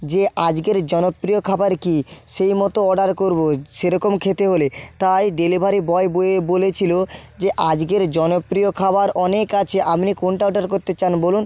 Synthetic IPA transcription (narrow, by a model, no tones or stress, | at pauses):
d͡ʑeʔad͡ʑɡeɾd͡ʑɔnopːɾijokʰabaɾkiʃejmɔt̪oɔɖaɾkoɾboʃeɾɔkomkʰet̪eɦolet̪ajɖelibʱaɾibɔeboebolet͡ɕʰilod͡ʑeʔad͡ʑɡeɾd͡ʑɔnopɾiokʰabaɾɔnekat͡ɕʰeʔamnikonʈawɖaɾkoɾt̪et͡ɕanbolun